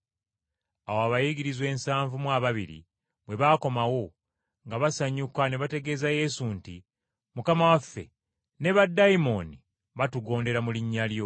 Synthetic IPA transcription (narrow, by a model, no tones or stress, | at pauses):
awaβajiɡiɾizwe̞ːnsaːɱvumwaβaβiɾḭ | bwe̞βaːko̞mawo̞ | ŋɡaβasaɲːukane̞βate̞ɡe̞zaje̞ːsunti | mukamawafːe̞̰ | ne̞βadːaimo̞ni | βatuɡo̞ːnde̞ɾamuliɲːaljo̞